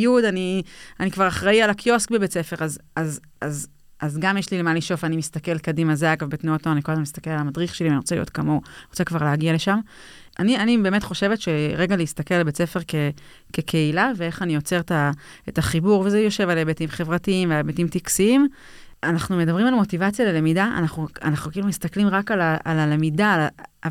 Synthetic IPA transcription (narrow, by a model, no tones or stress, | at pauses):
judanianikvaʁaχʁaialakjo̞skbebet͡se̞fe̞ʁazaz | az | ʔazɡamjeʃlilemanliʃo̞vanimist̪ake̞lkadimazeaɡavbetnuotnoaniko̞lazmemist̪ake̞lalamadʁiχʃelianiʁo̞t͡selḭo̞̰tkamo̞not͡sekvaʁleaɡiale̞ʃam | anianibe̞ːme̞tχo̞ʃe̞ve̞tʃe̞ʁe̞ɡaleist̪ake̞lbet͡se̞fe̞ʁke | kekʰe̞ilave̞e̞χanijo̞t͡se̞ʁeta | etaχibuʁvezejo̞ʃe̞valebetimχe̞vʁatiimvealbetimtiksiim | anaχnumedabʁimalmo̞tivat͡sjalele̞midaʔa̰naχnua̰naχnukeilumist̪aklimʁakalaalale̞midala